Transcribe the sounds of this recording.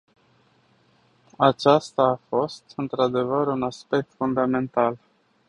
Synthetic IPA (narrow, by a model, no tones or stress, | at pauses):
at͡ʃast̪aːfo̞st̪ɨnt̪ɾad̪e̞vəɾunaspe̞k̚t̪fund̪ame̞nt̪al